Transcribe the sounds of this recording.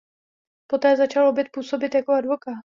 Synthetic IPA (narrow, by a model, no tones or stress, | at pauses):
po̞t̪ɛːzat͡ʃalobjɛt̪̚puːso̞bɪt̪jakoadvo̞kaːt̪